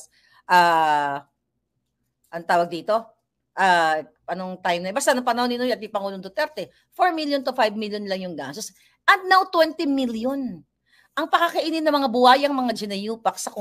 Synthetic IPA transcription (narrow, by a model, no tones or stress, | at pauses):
ʔaː | ʔɐnot̪aːwɐɡ̚d̪iːt̪o̞ | ʔa | pɐnoŋt̪ajmnɐɪbast̪ɐnɐŋpɐnɐhonɪnojɐt̪̚mɪpɐŋuːloŋd̪ot̪ɛɾt̪ɛ | foɹmiljont̪ʊfajbmiljonlɐŋjʊŋɡa̰sos | ʔɐt̪̚nawt̪wɛnt̪ɪmiljon | ʔɐŋpɐkakɐʔiːnɪnɐmɐŋabʊhaːjɐŋmɐŋad͡ʒɪnɐjuːpɐk̚sɐk